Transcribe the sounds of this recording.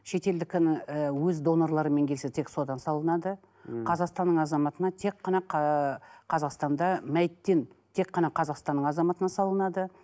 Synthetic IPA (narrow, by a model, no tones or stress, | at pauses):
ʃe̞t̪e̞ld̪ɪkʲɪnəwɵzd̪o̞noɾlˠɑɾəme̞ŋk̪ʲʰset̪ʰe̞kso̞d̪ɑnsɑlˠənɑd̪ə | qʰɑzɑqst̪ɑnːəɴɑzɑmɑt̪ənɑt̪ʰe̞kqːɑnɑq | qʰɑzɑqst̪ɑnd̪ɑmæjt̪ːe̞nt̪ʰe̞kqːɑnɑqʰɑzɑqst̪ɑnːəɴɑzɑmɑt̪ənɑsɑlˠənɑd̪ə